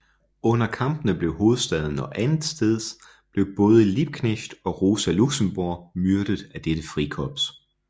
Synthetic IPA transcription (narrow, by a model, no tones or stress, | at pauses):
ɔ̽nɐkʰɑ̈mb̥ənəb̥le̝ʊho̝ːð̞̩ˠsd̥ɛð̞ˠn̩ɒ̽ʔænð̩ˠsd̥eð̞̰ˠ | b̥le̝ʊb̥ɔ̽ːð̞ˠəlib̥̚kʰneɕd̥ɒ̽ʁo̝ːsæluɡ̥səm̩b̥oɐ̰myɐɾ̥əðˠæd̥eɾ̥əfʁikʰɒ̽b̥s